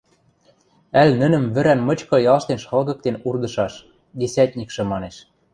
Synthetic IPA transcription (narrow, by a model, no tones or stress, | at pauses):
ælnɘ̆nɘ̆mβɘ̆ɾænmɤ̆t͡ɕkɤ̆jɑlʃt̪enʃxɤ̆lɣɤ̆k̚t̪enurd̪ɤ̆ʃɑʃ | ɡesæt̪̚ʲnʲikʃɤ̆mɑneʃ